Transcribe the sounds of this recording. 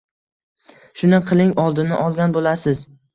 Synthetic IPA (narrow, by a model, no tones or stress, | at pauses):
ʃʊnɪqʰɨlˠɪŋɒlˠd̪ɪnɪʔɒlˠɡʲanbolasɪz